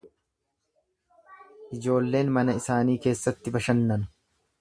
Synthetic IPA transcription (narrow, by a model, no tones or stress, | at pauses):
ʔɪd͡ʒo̞ːlːe̞ːnmɐnɐɪsaːniːke̞ːsːɐt̪ːɪbɐʃɐnːɐnʊ̥